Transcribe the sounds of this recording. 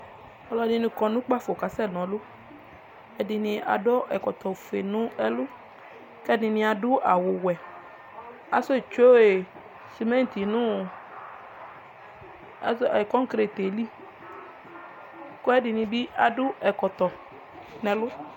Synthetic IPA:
ɔ˦lɔ˦di˦nĩ˨kɔ˨nũ˦k͡pa˦fo˨ka˨sɛ˦˨nɔ̃˨lʊ˦ | ɛ˨dɪ˨nĩ˨a̰˨dɔ˦ʔɛ˨kɔ˨t̪ɔ˨fe˨nũ˦ɛ˦lʊ˦ | kɛ˦nĩ˨nĩ˦a˨dʊ˦a˨wʊ˨wɛ˨ | a˨so˦˨t͡ʃo˦e˨ | si˨mɛ̃˦n˨t̪i˨nũ˦˨˦ | kɔ˦ŋ˦kɾe˨t̪e˨li˦ | ko˦ɛ˦di˨nĩ˨bi˦ʔa˨dʊ˦ɛ˨kɔ˨t̪ɔ˨ | nɛ̃˨lʊ˦

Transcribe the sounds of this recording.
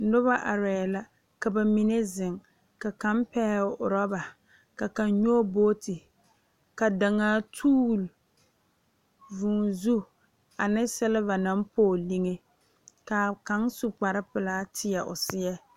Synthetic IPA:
nʊ˦βa˦ʔa˨ɾɛː˨la˦ | ka˨ba˨mi˦ne˦zɪ˨ŋ | ka˨ka˦mpɛ˦ʊ̰˨ɾɔ˦ba˨ | ka˨ka˨nɲo˦boː˦tɪ˨ | ka˨da˨ŋaː˦tʰuː˦l | vʊ˨ŋzu˦ | a˨nɪ˦sɛ˦lɪ˦va˨na˦m˦poː˦˨li˦ŋe˦ | ka˨ka˦ŋsu˦k͡pa˨ɾɪ˦pɨ˨laː˦tʰɪ˦ɛ˨ʔʊ̰˨sɪ˦jɛ˦

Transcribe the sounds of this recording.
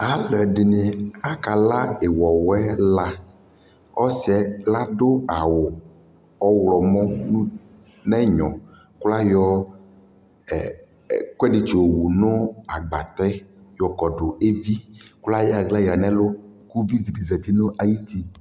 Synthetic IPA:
a˨lɔ˨ɛ˨ɖɪ˨ne˨a˦ka˨la˦e˨wɔ˨wɛ˦la˦ | ɔ˦si˦ɛ˦la˦ɖo˦a˨wʊ˨ | ɔ˦wlɔ˨mɔ̃˦nũ˦ | nɛ̃˦ɲɔ̰̃˨ | kla˦jɔ˦˨ | kʷɛ˦ɖi˨t͡ʃwu˨no˦a˨ɡ͡ba˨t̪ɛ˦jɔ˨kɔ˨ɖo˨e˦vi˦kla˦jɛ˦a˨ɡla˦ja˨nɛ̃˦lo˦ku˦vi˦zi˨di˨zɛ˨t̪i˦no˦ʔa˨ji˦t̪i˦

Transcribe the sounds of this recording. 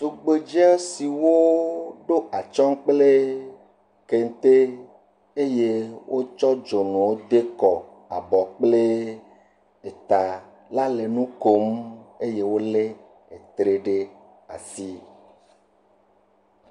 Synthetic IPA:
t̪u˨ɡ͡be˨d͡ʒɛ˦si˨wo˦ɖo˦ʔa˨t͡ʃɔ˦ŋ˦k͡ple˦ | ke˨ŋ˦t̪e˦ | e˦je˦wʔo˦t͡ʃɔ˦d͡ʒo˨nũ˨wo˦d̪e˦kɔ˨ | a̰˨bɔ˨k͡ple˦ | e˨t̪a˨ | la˦le˨nũ˦ko˦me˦je˦wo˦le˦ | e˨t̪ɾe˦ɖe˦ | a̰˨si˦

